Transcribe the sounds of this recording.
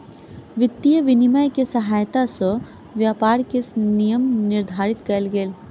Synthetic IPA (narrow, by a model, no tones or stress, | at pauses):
ʋɪt̪ːijəʋɪnimajkesɐɦaːjt̪asə | ʋjaːpaːɾkesnijəmnɪɾd̪ʱaːɾɪt̪kɐlɡeːl